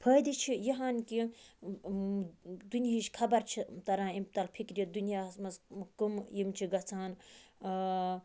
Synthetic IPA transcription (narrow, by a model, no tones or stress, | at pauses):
pʰəːjd̪it͡ʃʰijiɦaːnki | d̪unjiʃkʰɐbɐɾt͡ʃʰit̪ɐɾãːimt̪ɐlpʰikɾjid̪unjaːsmɐskumjimt͡ʃʰiɡɐt͡sʰaːn